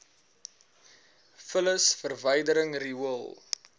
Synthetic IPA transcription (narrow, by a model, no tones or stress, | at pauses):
fələsfərvəjdəɾəŋriəlˠ